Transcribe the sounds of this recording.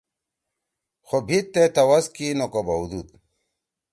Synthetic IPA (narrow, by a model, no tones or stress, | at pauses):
xobʱitt̪ːet̪ɐwɐskinokobɐwd̪ud̪̚